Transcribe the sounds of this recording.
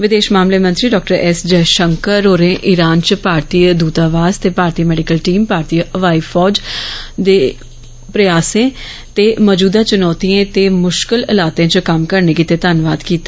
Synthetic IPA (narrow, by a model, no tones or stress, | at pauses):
ʋɪd̪eːʃmaːmleːmə̃nt̪ɾiːɖɔːk̚ʈəɾɛːsd͡ʒɛːʃəŋkəɾoːɾẽːʔɪɾaːnt͡ʃpaːɾt̪iːd̪uːt̪aːʋaːzt̪eːpaːɾt̪iːmɛːɖɪkəlʈiːmpaːɾt̪iːəʋaːiːfʰɔːd͡ʒd̪eː | pɾɪjaːsẽː | t̪eːmɔːd͡ʒuːd̪ãːt͡ʃʊnɔːt̪iẽːt̪eːmʊʃkɪlɪlaːt̪eãːt͡ʃəkəmkəɾneːkit̪eːt̪aːnʋaːd̪kiːt̪a